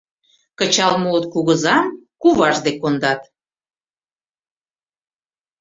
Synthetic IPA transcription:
kət͡ɕɑlmuot̪̚kuɣəzɑmkuβɑʒd̪ekond̪ɑt̪

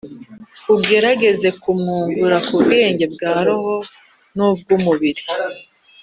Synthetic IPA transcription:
ubɡe̞ɾaɡe̞ze̞kumŋuːŋɡuɾakubɡe̞ːɲɟe̞bɡaːɾoɦo̞ | nub̚ɡumuβiɾi̥

